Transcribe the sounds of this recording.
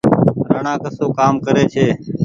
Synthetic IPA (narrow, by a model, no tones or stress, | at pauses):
ɾəɳãːkəsoːkaːmkəɾeːt͡ʃʰeː